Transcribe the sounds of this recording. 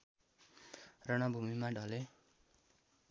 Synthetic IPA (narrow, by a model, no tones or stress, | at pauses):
rʌɽ̃ʌbʱumimaɖʱʌle